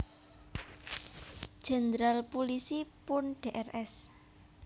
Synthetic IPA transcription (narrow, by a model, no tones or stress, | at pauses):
ʒ̥ɛ̤nd̪ɾalpulisipʊnɖ̥eʔɛrʔɛs